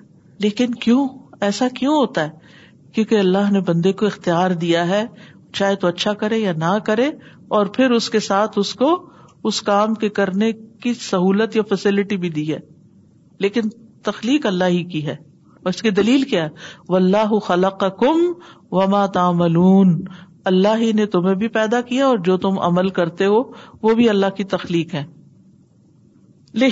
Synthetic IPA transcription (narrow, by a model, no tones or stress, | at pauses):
leːkɪnkjõːɛːsakjũɦoːt̪aɦɛː | kjõːkeɐlːaɦnebɐ̃nd̪ekoɪxt̪ijaːɾd̪ijaɦɛ | t͡ʃaːɦet̪oɐtːʃʰakɐɾẽjanakɐɾẽ | ɔːɾpʰɪɾʊskesaːt̪ʰʊskoʊskaːmkekɐɾnekisɐɦuːlət̪jafɛsɪlɪʈibʱid̪iːɦɛ̰ː | leːkɪnt̪ɐxliːqɐlːaːɦikiɦɛː | ɔːɾɪskid̪ɐliːlkjaːɦɛːʋɐlːaːɦʊxɐlɐqɑkʊmʋɐmaːt̪aːmɐluːn | ɐlːaːɦinet̪ʊmẽbʱipɛːd̪akijaɔːɾd͡ʒoːt̪ʊmʔɐ̰məlkɐɾt̪eɦoʋobʱiɐlːaɦkit̪ɐxliːqɦɛ̃ː | leː